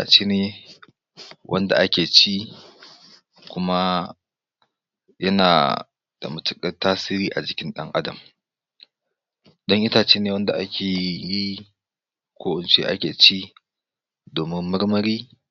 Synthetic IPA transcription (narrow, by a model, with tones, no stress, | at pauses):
a̰˨t͡ʃeː˦neː˨ | wʔɐ̰˦nda̰˨ʔa˦kʲeː˨t͡ʃi˦ | kʷʊ˦ma˦ | jɐ˦na̰ː˨ | d̥a̰˨mʊ˨tʊ˨kʼɐ˦taː˦siː˦ɾiː˦ʔa˨d͡ʒɪ˨kʲɪ˦nɗɐ˦ŋʔa˦dɐ̰˨m | ɗɔ˦ŋʔɪ˦taː˨t͡ʃeː˦neː˨wɐ˦nda̰˨ʔa˦kʲʰeː˨ji˦ | kʷoː˦ʔʊ˨nt͡ʃḛː˦ʔa̰˦kʲeː˨t͡ʃi˦ | doː˨mɪ˦mːɐ˦rmɐ˦ɾiː˦